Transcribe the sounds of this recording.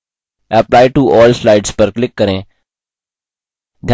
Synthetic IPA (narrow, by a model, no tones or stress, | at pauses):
əplaːɪʈuɔːlslaɪɖspəɾklɪkːəɾẽ | d̪ʱja